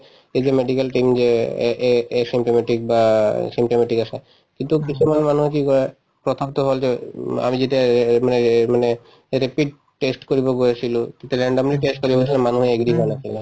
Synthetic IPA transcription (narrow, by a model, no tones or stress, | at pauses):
ed͡ʑemeɖikalʈimd͡ʑeʔeesimʈomeʈik̚basimʈomaʈikaʃʰe | kint̪ukit͡ɕʰumanmanuɦek̬ikɔɾe | pɾot̪ʰomt̪oɦold͡ʑea̰mid͡ʑeʈamanemane | ɾepiɖ̚ | ʈesʈkoɾiboɡoet͡ɕʰilokit̪eɾeɳɖomliʈesʈ̚koɾibeot͡ɕʰilenmanuɦeɡd̪imanat͡ɕʰile